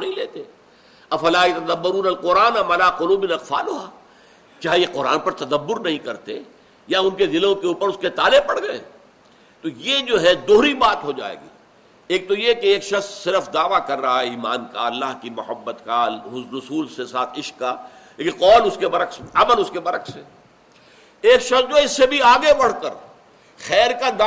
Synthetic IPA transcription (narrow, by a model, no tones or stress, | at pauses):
nɐɦĩleːt̪e | ɐfɐlaːjɪt̪ɐd̪ɐbːɐɾuːnɐlqʊɾaːnɐmɐlaːqʊluːbɪnɐqfa̰ːlʊɦaː | t͡ʃaːɦijeqʊɾa̰ːnpɐɾt̪ɐd̪ɐbːʊɾnɐɦĩkɐɾt̪e | jaʊnked̪ɪlõkeuːpəɾʊsket̪aːlepɐɽɡɐḛ | t̪ojed͡ʒoːɦɛd̪oːɾibaːt̪ɦod͡ʒa̰ːḛːɡḭː | eːk̚t̪ojekeeːkʃɐxsːɪɾəfd̪aːʋakɐɾːɐɦaɛiːmaːnkaɐlːaːɦkimʊhəbːət̪kaʊɾʊsuːlsesaːt̪ʰɪʃkːa | eqɔːlʊskebɐɾəksɐməlʊskebɐɾəkseː | eːkʃɐχsd͡ʒoːɦɛɪsːebʱiaːɡebɐɽ̤kəɾ | xɛːɾkad̪a